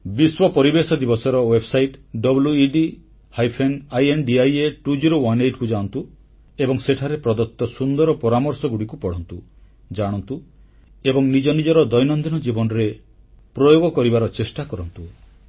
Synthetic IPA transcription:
biswɔpɔɾibesɔd̪ibɔsɔɾɔwebsajʈɖɔbuljuiɖi | hajpʰenajenɖiajeʈud͡ʒiɾowaneʈkud͡ʒant̪u | ebɔŋseʈʰaɾepɾɔd̪ɔt̪ːɔsund̪ɔɾɔpɔɾamɔɾsɔɡuɽikupɔɽ̤ɔnt̪u | d͡ʒaɽ̃ɔnt̪u | ebɔŋnid͡ʒɔnid͡ʒɔɾɔd̪ɔjnɔnd̪inɔd͡ʒibɔnɔɾe | pɾɔjoɡɔkɔɾibaɾɔt͡ʃesʈakɔɾɔnt̪u

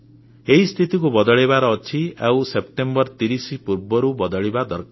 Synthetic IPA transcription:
eɦist̪ʰit̪ikubʌd̪ɔɭebaɾʌːt͡sʰiawsepʈembʌrt̪iɾisipuɾbɔɾubʌd̪ʌɭebad̪ʱʌrk

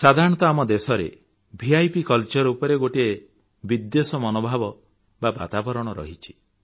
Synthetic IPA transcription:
sad̪ʱaɾɔɽ̃ɔ̃t̪ɔamɔd̪esɔɾḛ | bʱiajpikɔlt͡ʃɔɾɔupɔɾeɡoʈie | bid̪ːesɔmɔnobʱabɔ | baba̰t̪abɔɾɔɽ̃ɔɾɔ̰ɦit͡ʃʰi̥

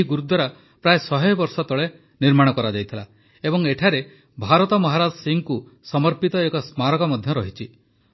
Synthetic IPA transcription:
iɡuɾud̪ʱːɔɾa | pɾaesɔɦɔjbɔɾsɔt̪ɔɭe | niɾmaɽ̃ɔkɔɾad͡ʒajt̪ʰila | ebɔŋeʈʰaɾe | bʱaɾɔt̪ɔmɔɦaɾad͡ʒɔsiŋku | sɔmɔɾpit̪ɔekɔsmaɾɔkɔmɔd̪ʱjɔɾɔɦit͡ʃʰi

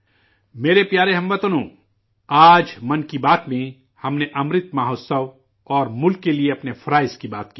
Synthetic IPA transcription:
meːɾepjaːɾeɦɐmʋɐt̪ənõː | aːd͡ʒmɐnkibaːt̪mẽ | hɐmneʔɐmɾɪt̪maːɦoːsəw | ɔːɾmʊlkːelieɐpnefʰɐɾaːɪskibaːt̪kiː

